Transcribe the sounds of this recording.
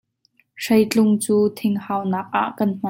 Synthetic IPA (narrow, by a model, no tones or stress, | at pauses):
ʂɐjt͡ɬʊŋt͡suːt̪ʰɪŋhaːwnɐk̚ʔa̰ʔkɐnm̥a